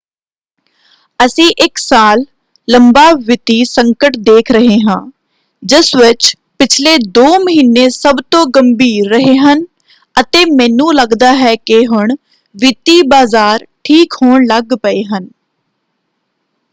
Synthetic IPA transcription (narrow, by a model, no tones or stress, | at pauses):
əsĩːʔɪksaːlː | əmbaːʋɪt̪iːsəŋkəʈd̪eːkʰɾəɦeːɦãː | d͡ʒɪsʋɪt͡ʃ | pɪt͡ʃʰleːd̪oːməɦiːnːeːsəbt̪õːɡəmbiːɾːəɦeːɦən | ət̪eːmɛ̃ːnũːləɡd̪aːɦɛːkɪɦʊɳ | ʋɪt̪iːbaːzaːɾʈʰiːkhoːɳləɡpəeːɦən